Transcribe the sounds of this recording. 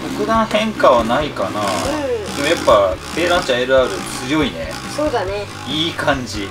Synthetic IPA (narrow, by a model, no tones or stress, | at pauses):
kokɯ̟d̪ãɰ̃hẽ̞ŋkaβanaikana̰d̪emojapːat̪e̞ːɾãnt͡ɕaeɾɯ̟aɾɯt͡sɨjo̞inḛ | soːd̪ane | iːkãɲ̟d͡ʑi